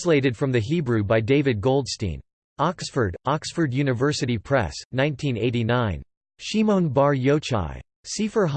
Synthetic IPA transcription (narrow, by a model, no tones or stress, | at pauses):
sleɪɾɨd̥fɹʌ̃mðɨɦibɹʉbaɪdeɪvɨd̚ɡoʊlˠdstḭ̃n | ɑksfə˞ɾɑksfə˞djʉnɨvɜ˞sɨɾipʰɹ̥ɛ̰snãɪ̃ntʰĩneɪɾinãɪ̃n | ʃimõʊ̃nbɑɹjoʊt͡ʃa̰ɪ | sifə˞ɦ